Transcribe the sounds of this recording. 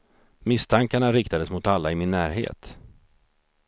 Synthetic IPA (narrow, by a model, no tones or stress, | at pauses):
mɪst̪ʰaŋkaɳaɾɪkt̪ad̪əsmʊt̪alːaɪmɪnːæːɾɦḛːt̪